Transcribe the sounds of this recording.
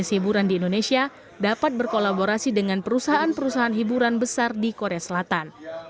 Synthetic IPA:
ɪshibuɾandiːndonesia | dapat̪̚bərkolaboɾasidəŋanpəɾusaɦaanpəɾusaɦaːnɦibuɾanbəsardikoɾeasəlat̪an

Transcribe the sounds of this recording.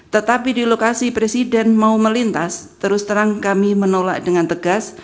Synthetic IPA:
t̪ət̪apidilokasipɾesidɛnmauməlint̪ast̪əɾʊst̪əɾaŋkamimənola̰k̚d̥əŋant̪əɡ̥as

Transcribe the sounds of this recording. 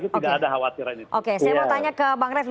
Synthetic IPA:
kutidaadaɦawat̪iɾiniʔokesajamot̪aɲakəbaŋɾɛf

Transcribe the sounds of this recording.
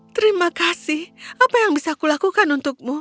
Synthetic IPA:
t̪əɾimakasɪhapajaŋbisakulakukanunt̪ʊk̚mu

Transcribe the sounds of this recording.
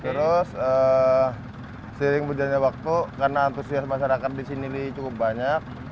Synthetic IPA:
t̪əɾʊsəː | səɾɪŋbəd͡ʒaɲawak̚t̪ukarnaːnt̪usiasmaʃaɾakat̪̚disinilit͡ʃukʊp̚baɲak̚

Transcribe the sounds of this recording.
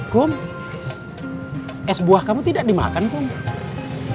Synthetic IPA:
kʊm | ʔɛsbuahkamut̪idaʔ̚dima̰kankʊn

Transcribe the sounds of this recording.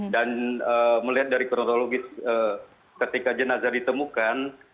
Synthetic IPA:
danəːməliɦat̪̚daɾikoɾot̪oloɡɪsəː | kət̪ikad͡ʒənazardit̪əmukan

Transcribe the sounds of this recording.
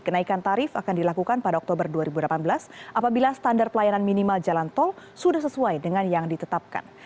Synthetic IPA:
kənaikant̪aɾɪfakandilakukanpadaɔkt̪obərduaɾibudəlapanbəlasʔapabilasə̥t̪andarpəlajananminimald͡ʒalant̪ɔlsudahsəsuajdəŋanjaŋdit̪ət̪ap̚ka̰n

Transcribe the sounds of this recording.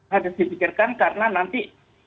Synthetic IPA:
adʊsdipikɪrkankarənanant̪i

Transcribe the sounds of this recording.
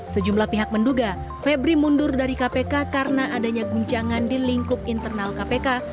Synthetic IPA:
səd͡ʒumlahpiɦak̚mənduɡa | fɛbɾimundʊrdaɾikapekakarənaʔadaɲaɡuɲt͡ʃaŋandiliŋkʊp̚int̪ərnalkapeka

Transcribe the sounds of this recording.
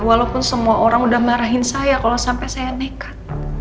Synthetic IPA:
walawpʊnsəmuaʔoɾaŋudahməɾaɦɪnsajakalosampɛsajanekḁt̪̚

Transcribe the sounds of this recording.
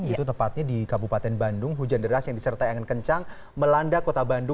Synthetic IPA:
ɡit̪ut̪əmpat̪̚ɲadikabupat̪ɛnbandʊŋɦud͡ʒandəɾasjaŋdisərt̪ajaŋankəɲt͡ʃaŋ | məlandakot̪abandʊ

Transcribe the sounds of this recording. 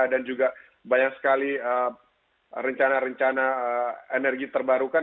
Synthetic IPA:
dand͡ʒuɡa | baɲak̚sə̥kaliə | rəɲt͡ʃanaɾəɲt͡ʃanaəenɛrɡit̪ərbaɾukan

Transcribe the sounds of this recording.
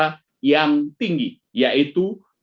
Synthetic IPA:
a | jaŋt̪iŋɡi | jaʔit̪u

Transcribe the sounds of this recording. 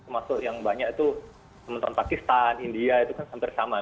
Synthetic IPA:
masʊʔjaŋbaɲakit̪u | səmənt̪aɾampakist̪anindiait̪ukansampɪrsama

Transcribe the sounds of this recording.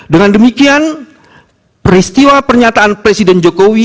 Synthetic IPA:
dəŋandəmikian | pəɾist̪iwapərɲat̪aːnpɾesidɛnd͡ʒokowi

